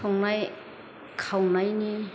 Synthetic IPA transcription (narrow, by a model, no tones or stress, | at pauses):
ɔŋnaj | kʰawnajni